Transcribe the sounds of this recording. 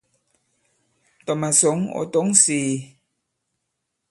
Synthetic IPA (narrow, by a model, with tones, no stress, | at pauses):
tɔ˨ma˨so˨˦ŋo̰˨to˨˦ŋseː˨